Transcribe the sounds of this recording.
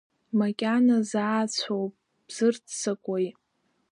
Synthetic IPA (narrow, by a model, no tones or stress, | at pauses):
makʲʼanazaːt͡sʷʰowpʼ | b̥z̥ɨrt͡sʰt͡sʰakʷʼojʼ